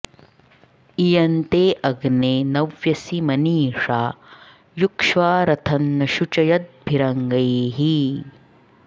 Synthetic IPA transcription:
ijɐnt̪eːʔɐɡneːnɐʋjɐsimɐniːʂaː | jukʂʋaːɾɐt̪ʰɐnːɐʃut͡ʃɐjɐt̪̚bʱiɾɐŋɡɐjeɦi

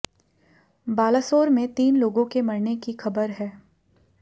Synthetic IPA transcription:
baːlasoːɾmẽt̪iːnloːɡõkemɐɾnekixɐbəɾɦɛː

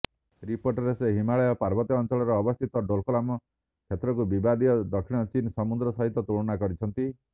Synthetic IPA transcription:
ɾipoɾʈɔɾeseɦimaɭɔjɔpaɾbɔt̪iɔnt͡ʃɔɭɔɾɔːbɔst̪ʰit̪ɔɖolkolamɔ | kʰjet̪ɾɔkubibad̪iɔd̪ɔkʰːiɽ̃ɔt͡ʃinɔsɔmund̪ɾɔsɔɦit̪ɔt̪uɭɔñakɔɾit͡ʃʰɔnt̪i

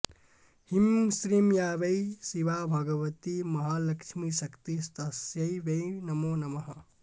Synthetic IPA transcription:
himsɾimjaːʋɐjsiʋabʱɐɡɐʋɐt̪imɐɦalɐkʂmisɐkt̪ist̪ɐsjɐjʋɐnɐmonɐmɐɦɐ

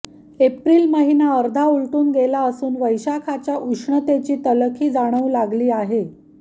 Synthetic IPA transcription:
epɾiːlməɦinaəɾd̪ʱaulʈ̪uːnɡelaəsuːnʋəjɕakʰat͡ɕjaʔuʂɳət̪et͡ɕiːt̪ələkʰiːd͡zaɽ̃əʋlaɡliːaɦe

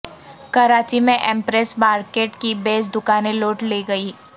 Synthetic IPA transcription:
kɐɾaːt͡ʃimẽʔẽmpɾɛsmaːɾkeːʈkibeːsd̪ʊkaːneloːʈleːɡɐiː

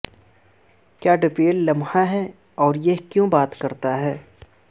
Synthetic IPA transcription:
kjaːɖɪpeːlːɐmɦaɦɛː | ɔːɾjeɦkjõːbaːt̪kɐɾt̪aɦɛː

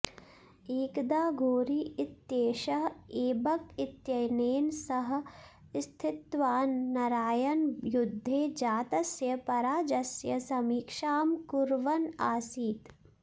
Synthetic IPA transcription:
iːkd̪aːɡʱoːɾiːɪt̪jeːʃɐɦeːbɐkɪt̪jɐjneːnsɐɦ | st̪ʰɪt̪ʋaːnːɐɾaːjɐnjʊd̪ʱːed͡ʒaːt̪ɐsjɐpɐɾaːd͡ʒɐsjɐsɐmiːkʃaːmkʊɾʋɐnaːsiːt̪

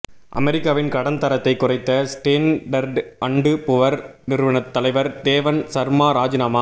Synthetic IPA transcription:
ʔɐ̰mɛɾɪkːaːʋɪnkɐɽɐnt̪ɐɾɐt̪ːɐɪkːʊrɐɪt̪ːɐsʈeːnɖɐɾɖʔɐɳɖɯpʊʋɐɾnɪɾɯʋɐɳɐt̪ːɐlɐɪʋɐɾd̪eːʋɐnsɐɾmaːɾaːd͡ʒɪnaːmaː

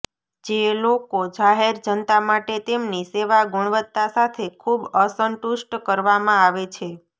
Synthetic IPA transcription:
d͡ʒelokod͡ʒaɦeɾd͡ʒənt̪amaʈet̪emniseʋaɡʊɳ̃ʋət̪ːasat̪ʰekʰubəsəɳʈuʃʈkəɾʋamãaʋet͡ʃʰe

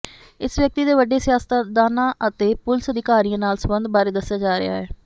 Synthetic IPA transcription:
ɪsʋjək̚t̪iːd̪eːʋəɖeːsɪjaːst̪ad̪aːnãːʔət̪eːpʊlsəd̪ɪkaːɾiãːnaːlsəmbənd̪̚baːɾeːd̪əsːjaːd͡ʒaːɾɪ̰ja̰ːɦɛː

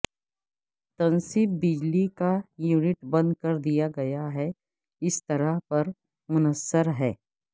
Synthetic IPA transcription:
t̪ɐ̃nsip̚bɪd͡ʒlikajuːnɪʈbɐ̃nd̪̚kɐɾd̪ijaɡɐjaɦɛ | ɪst̪ɐɾəɦpɐɾ | mʊnəsːəɾɦɛː

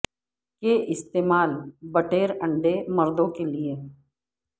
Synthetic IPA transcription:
keʔɪst̪eːmaːlbɐʈeːɾɐ̃ɳɖemɐɾd̪õkelie

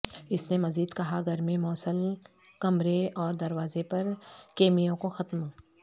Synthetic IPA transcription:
ɪsnemɐziːd̪kɐɦaɡʱɐɾmẽmɔːsəl | kɐmɾeɔːɾd̪ɐɾwaːzepɐɾkeːmijõkoxɐt̪mõː

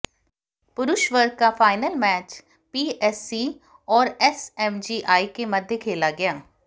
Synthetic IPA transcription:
pʊɾʊʃʋəɾkaːpʰaːɪnəlmɛːt͡ʃ | piːʔɛsːiː | ɔːɾɛsɛmd͡ʒiːʔaːiːkeːməd̪ʱjekʰeːlaːɡɪjaː

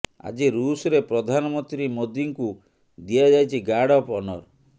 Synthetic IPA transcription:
a̰d͡ʒiɾusɔɾepɾɔd̪ʱanɔmɔnt̪ɾimod̪iŋku | d̪iad͡ʒajt͡ʃʰiɡaɽɔpɔnɔ̰ɾ

